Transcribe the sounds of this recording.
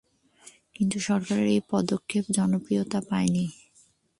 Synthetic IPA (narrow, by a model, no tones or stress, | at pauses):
kint̪uʃɔɾkaɾeɾejpɔd̪okʰːepd͡ʑɔnopɾijot̪apaeni